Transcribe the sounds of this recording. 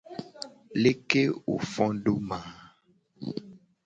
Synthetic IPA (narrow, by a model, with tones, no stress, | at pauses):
le˦ke˦wo̰˨fɔ̃˦ɖo˦mã˨